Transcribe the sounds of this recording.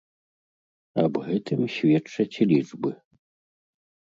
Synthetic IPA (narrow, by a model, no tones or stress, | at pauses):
ɐbɣɛt̪ɨmɕʲvʲɛt͡ʂːɐt͡sʲlʲid͡ʐbɨ